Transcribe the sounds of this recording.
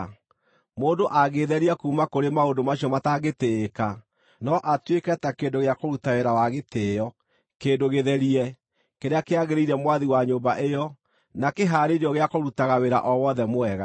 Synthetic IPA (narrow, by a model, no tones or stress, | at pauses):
moːndoʔaɣeðɛɾiakumakoɾemaodomaɕiɔmataɣeteːka | nɔʔatwekɛtakendoɣeakoɾutaweɾawaɣetejɔ | keːndoɣeðɛɾiɛ | keɾeakeaɣeɾeiɾɛmwaðiwaɲoːmbaʔejɔ | nakeɦaːɾeɾeɔɣeakoɾutaɣaweɾa̰ʔɔwɔðɛmoɛɣa